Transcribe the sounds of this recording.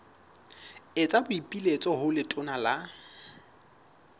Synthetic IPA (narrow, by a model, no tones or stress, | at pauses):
et͡sʼabʊipʼilet͡sʼɔɦʊlɪtʼʊnala